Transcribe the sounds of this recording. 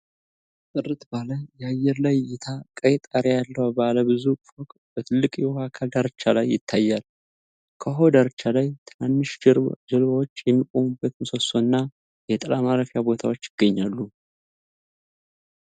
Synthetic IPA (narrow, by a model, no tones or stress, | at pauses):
t̪ʼɨrːɨt̪baləjɛajːɛɾlajːɪt̪ʰakʼəjt̪ʼaɾjaalːəwbaləbɨzufɔkʼbət̪ʰɨlːɨkʼjɛhakʰald̪aɾt͡ʃːalajːɪ̰t̪ʰːajːal | kʰəɦo̞d̪aɾt͡ʃːalajt̪ʰɨnanːɨʃd͡ʒɨlβawot͡ʃːjɛmːikʼomɨbːət̪mɨsosonːa | jɛt̪ʼɨlamaɾəfjabo̞t̪ʰawot͡ʃːjɪɡ̥ːəɲːalːu